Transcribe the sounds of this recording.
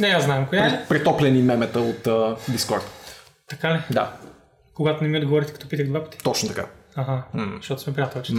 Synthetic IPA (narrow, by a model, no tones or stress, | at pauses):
nɛaznaɛmkojaɾɛpɾɛt̪ɔplɛnimɛmɛt̪əot̪əb̪iskɔɾt̪ | t̪ɐkalɛd̪a̰ | koɡat̪ʊnɛmiod̪ɡovɔɾit̪ɛkɐt̪ɔpit̪əɣd̪vapɐt̪i̥t̪ɔt͡ʃnot̪ɐka̰aɦazʃt̪ɔt̪ʊ̥smɛpɾiat̪əvɛt͡ʃ̪